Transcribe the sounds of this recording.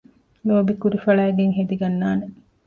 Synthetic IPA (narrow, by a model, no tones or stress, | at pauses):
loːbikuɾifɐɭæːɡeŋɦed̪iɡɐnːaːne